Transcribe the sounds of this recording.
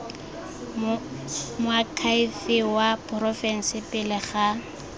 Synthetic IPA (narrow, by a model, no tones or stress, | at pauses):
mʊakʰaifɪwapʰʼrɔfɛn̩sɪpɪlɪχa